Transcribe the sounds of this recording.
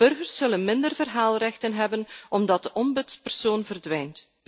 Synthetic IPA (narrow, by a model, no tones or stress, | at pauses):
ɵrɣərsːɵlənmɪndərvərɦaːlˠrɛxtənɦɛbənʔɔmdɑt̚dəʔɔmbɵtspɛrsoːnvərdʋɛjnt